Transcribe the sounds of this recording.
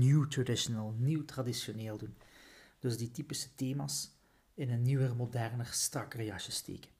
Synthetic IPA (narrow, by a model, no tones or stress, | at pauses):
njuwtradɪʃonəlˠniwtradisjoneːlˠdund̥ɵzditipisə̥teːmaːs | ɪnənːiwərmodɛrnərstrɑkrejɑkʃəstḛːkə̥n